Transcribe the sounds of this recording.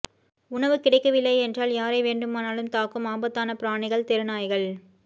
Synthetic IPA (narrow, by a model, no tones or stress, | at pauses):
ʊɳɐʋɯkɪɽɐɪkːɐʋɪlːɐɪɛndraːljaːɾɐɪʋeːɳɖɯmaːnaːlɯmt̪aːkːɯmaːmbɐt̪ːaːnɐpɪɾaːɳɪɣɐɭt̪ɛɾɯnaːjɣɐɭ